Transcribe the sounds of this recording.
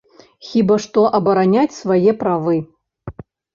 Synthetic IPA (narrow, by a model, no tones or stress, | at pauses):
xʲibaʂt̪ɔʔɐbɐɾanʲat͡sʲsvajɛpɾavɨ